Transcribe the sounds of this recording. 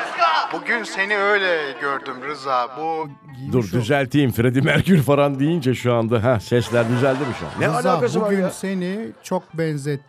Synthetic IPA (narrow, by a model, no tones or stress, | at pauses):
b̥uɟynse̞niøjlʲɛɟøɾd̪ymɾɯzaːbu | d̪uɾd̪yzælʲt̪ʰiːmfɾed̪imæɾcʰyɾfaɾand̪ijind͡ʒɛʃuand̪aɦɛsɛslʲæɾd̪yzælʲd̪imiʃua̰nnɛalʲaːkasɯmase̞nit͡ʃʰok̚bɛnzɛt̪ː